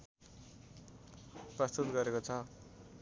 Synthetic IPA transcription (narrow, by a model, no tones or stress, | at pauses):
prʌst̪ut̪ɡʌɾekot͡sʰʌ